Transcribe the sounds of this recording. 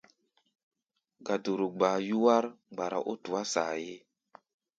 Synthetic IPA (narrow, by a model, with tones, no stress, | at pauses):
ɡa˨du˨ɾu˨ɡ͡baː˨ju˦wa˦ɾɡ͡ba˨ɾa̰˨ʔo˦tu˨a˦sa̰˨je˦